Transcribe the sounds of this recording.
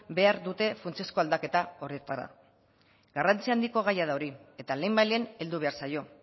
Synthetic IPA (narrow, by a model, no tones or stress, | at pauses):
be̞aɾðut̪e̞funt͡siesko̞ald̪ake̞t̪ao̞ɾiet̪aɾa̰ | ɡarant͡siand̪iko̞ɣajaðao̞ɾie̞t̪ale̞mbajlene̞ld̪uβ̞e̞aɾsajo̞